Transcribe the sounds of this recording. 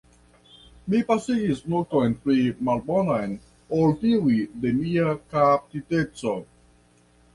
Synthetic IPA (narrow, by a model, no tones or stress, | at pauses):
mipasihisnotojnpɾimalbonojn | oltiwidemiakap̚titet͡so